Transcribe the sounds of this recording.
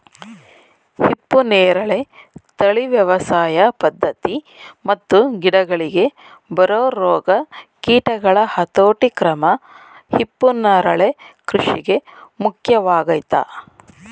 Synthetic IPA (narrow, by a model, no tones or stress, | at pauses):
hipːuneːɾɐɭe̞t̪ɐɭiʋjɐʋɐsaːjɐpɐd̪ʱːɐt̪i | mɐt̪ːuɡiɽɐɡɐɭiɡe̞ | bɐɾoːɾɔːɡɐkiːʈɐɡɐɭɐhɐt̪oːʈikɾɐmɐ | hipːunɐɾɐɭe̞kɾuʂiɡe̞mukʰjɐʋaːɡɐjt̪a̰